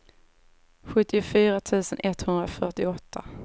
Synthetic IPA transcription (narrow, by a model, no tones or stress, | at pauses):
ɧɵt̪ːɪʊfyːɾat̪ʰʉ̟ːsənʔɛt̪hɵnd̪ɾafœʈɪɔt̪ʰːa